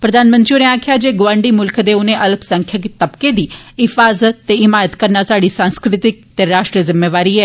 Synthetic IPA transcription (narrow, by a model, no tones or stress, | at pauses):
pɾɐd̪ʱaːnmə̃nt̪ɾijʊneaːkʰjad͡ʒeːɡoʋãːɳɖimʊlkʰd̪eʊnẽʔɐlbsə̃ŋkʰjəkt̪ɐbked̪iːɪfaːzət̪ːeɪmaːjət̪kɐɾnasaːɽisãːnskɾɪt̪ɪk̚t̪eɾaːʃʈɾiəzɪmːeːʋaːɾiɛː